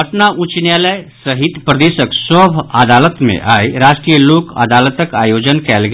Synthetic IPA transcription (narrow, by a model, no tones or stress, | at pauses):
əʈnaʔũt͡ʃnjaːləsɐɦit̪pɾɐd̪eːʃəksɔːbʱəd̪aːlət̪mḛ̃ʔaːiɾaːʃʈɾijəloːkɐ̰d̪aːlət̪əkaːjoːd͡ʒənkɛːlɡ